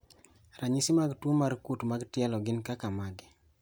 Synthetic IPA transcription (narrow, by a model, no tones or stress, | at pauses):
raɲisɪmaɡtwomarkutmaɡtɪɛlɔɡɪnkakamaɡɪ